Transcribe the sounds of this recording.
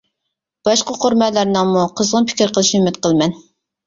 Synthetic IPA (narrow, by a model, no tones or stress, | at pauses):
b̥ɑʃqɑqʰoɾmɛlːæɾnɨŋmuqʰəzʁənpʰɪ̥kʲɾqʰəlˠɨʃnɪymɪt̪̚qʰəlˠmɛn